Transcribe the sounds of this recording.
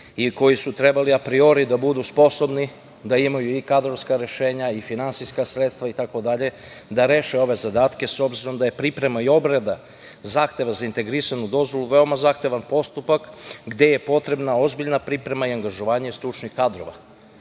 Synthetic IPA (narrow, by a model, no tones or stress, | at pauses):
iko̞jisut̪ɾe̞baliapɾio̞ɾid̪abud̪uspo̞so̞bni | d̪aimajuikad̪ɾo̞vskaɾe̞ʃe̞ːɲaifinantsijskasɾet̪st̪ʋait̪ako̞d̪aʎe̞ | d̪aɾeːʃeo̞ʋe̞zad̪aːt̪ke̞so̞bziɾo̞md̪aje̞pɾipɾe̞maio̞bɾed̪a | zaːxt̪e̞ʋazaint̪e̞ɡɾisanud̪o̞zʋo̞luʋe̞o̞mazaːxt̪e̞ʋanpo̞st̪upakɡd̪e̞je̞po̞t̪ɾe̞bnao̞zbiʎnapɾipɾe̞maiaŋɡaʒoʋaːɲest̪ɾut͡ʃnixkad̪ɾo̞ʋa̰